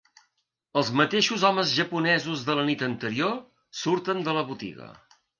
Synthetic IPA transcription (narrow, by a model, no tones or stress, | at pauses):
əlˠzmət̪eʃuzɔməzʒəpunɛzuzðələnit̪ənt̪əɾio | suɾt̪ənd̪ələβut̪ḭɣə̰